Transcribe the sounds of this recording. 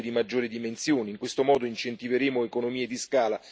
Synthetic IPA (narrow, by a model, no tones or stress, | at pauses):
d̪imad͡ʒːoːɾid̪imensjoːniŋkwest̪omɔːd̪oint͡ʃent̪iveɾeːmoekonomiːed̪iskaːla